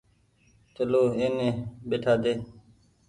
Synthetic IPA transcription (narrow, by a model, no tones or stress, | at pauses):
t͡ʃəloːeːnẽːɓeːʈʰaːd̪eː